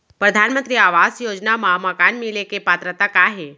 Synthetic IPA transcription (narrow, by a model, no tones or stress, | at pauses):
pɾəd̪ʱanmənt̪ɾiaʋasjod͡ʒnamãməkanmilekepat̪ɾət̪akaɦe